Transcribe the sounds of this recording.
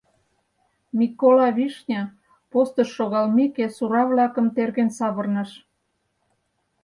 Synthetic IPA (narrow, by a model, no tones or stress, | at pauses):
mʲikːolɑβiʃnʲɑ | post̪əʃːoɣɑlmikesuɾɑβlɑkə̆mt̪erɣensɑβərnɑʃ